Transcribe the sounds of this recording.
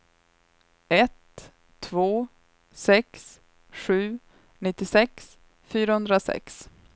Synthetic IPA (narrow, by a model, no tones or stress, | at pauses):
ɛt̪ʰː | voː | sɛks | ɧʉ̟ː | nɪt̪ːɪsɛks | fyːɾahɵnd̪ɾasɛ̰ks